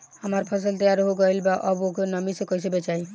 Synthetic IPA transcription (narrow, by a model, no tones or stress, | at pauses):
həməɾpʰəs̬əlt̪əjaɾɦoɡʌjlbaʔəbokenəmisẽkʌjsebet͡ʃai